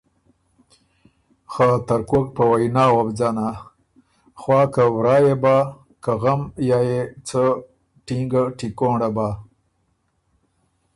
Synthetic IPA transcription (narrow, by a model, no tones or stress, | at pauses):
xaːt̪aɾkok̚pəwajnɑːwabd͡zɑna | xwɑːkawɾɑːjeba | kaɣamjɑːjet͡sə | ʈiŋɡaʈikoɳɖabaː